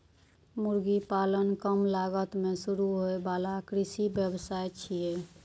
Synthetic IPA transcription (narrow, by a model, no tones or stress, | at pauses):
muɾɡipalənkəmlaɡət̪mesuɾuɦoebalakɾisibjəbsajt͡ʃʰije